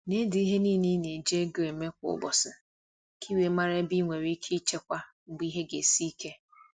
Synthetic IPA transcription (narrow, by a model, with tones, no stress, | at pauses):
ne˦di˨i˦ɦe˦niː˦ni˦ne˨d͡ʒe˦ɡe˨me˦kʷʊ̰˨˦ɡ͡bɔ̰˨sɪ˨ | kʰi˦we˨˦ma˦ɾe˦bi˦ŋʷe˨ɾi˦kʰi˦t͡ʃe˦kʷa˦ | ŋ͡m̩˨ɡ͡bi˦ɦe˦ɡe˨si˦ke˦